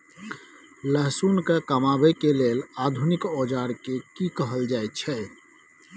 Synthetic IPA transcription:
ləɦsunkekəmabɛkelelad̪ʱunikod͡ʒaɾkekikəɦəld͡ʒajt̪̚t͡ʃʰɛ

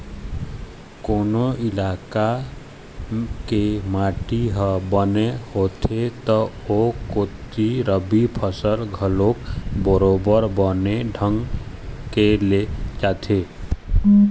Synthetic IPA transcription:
koːnoɪlaka | kemaʈiɦəbənehot̪ʰet̪ɔokot̪iɾəbipʰəsəlɡʱəlokbəɾobəɾbəneɖʱəŋɡkelet͡ʃat̪ʰe

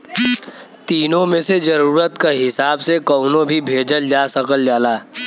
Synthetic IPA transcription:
t̪iːnõmẽsed͡ʒɐɾuːɾət̪kaɦɪsaːbsekɔʊnõbʱibʱeːd͡ʒəld͡ʒaːsəkəld͡ʒaːlaː

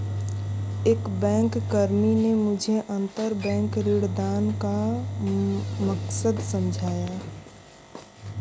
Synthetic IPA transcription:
eːkbɛ̃ːŋkːəɾminemʊd͡ʒʱeʔə̃nt̪əɾbɛ̃ːŋkɾɪɽd̪aːnka | məksəd̪səmd͡ʒʱaːja

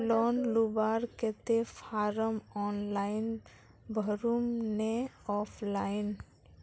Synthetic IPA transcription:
lɔːnlubaːɾket̪epʰaːɾəmɔːnlaɪn | bʱəɾumneɔːpʰlaːɪn

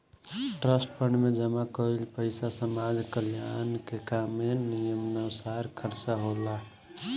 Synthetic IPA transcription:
ʈɾəsʈpʰəɳɖmed͡ʒəmakəlpəɪsasəmad͡ʒkəljankekamːenijəmnəsaɾkʰəɾt͡ʃaɦola

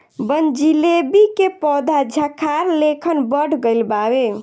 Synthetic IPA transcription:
bənd͡ʒilebikepɔd̪ʱad͡ʒʱakʰaɾlekʰənbəɽ̤ʱɡəjlbabe

